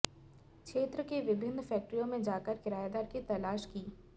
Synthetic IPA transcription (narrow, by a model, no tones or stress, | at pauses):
kʃʰeːt̪ɾəkeʋɪbʱɪnːfɛːk̚ʈɾijõmẽd͡ʒaːkəɾkɪɾaːjad̪aːɾkit̪ɐlaːʃkiː